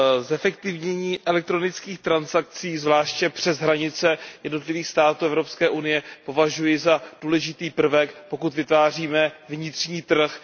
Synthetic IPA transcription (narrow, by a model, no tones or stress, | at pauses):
zɛfɛkt̪ɪvɲɛɲiːʔɛlɛk̚t̪ɾo̞nɪt͡skiːxt̪ɾansak̚t͡siːzvlaːʃcɛpr̝̥ɛzɦɾaɲɪt͡sɛjɛdno̞t̪lɪviːxst̪aːt̪uːɛvɾo̞pskɛːʔunɪjɛpo̞vaʒujɪzad̥uːlɛʒɪt̪iːpr̩vɛkpo̞kut̪vɪt̪vaːr̝iːmɛvɲɪt̪rɲiːt̪r̩x